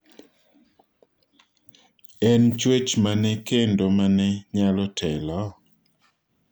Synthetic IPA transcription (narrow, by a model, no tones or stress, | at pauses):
ɛnt͡ʃwet͡ʃmanɛkendomanɛɲalɔtʰɛlɔ